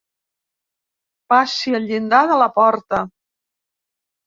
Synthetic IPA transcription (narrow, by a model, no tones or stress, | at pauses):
pasiəlʎind̪aðələpɔɾt̪ə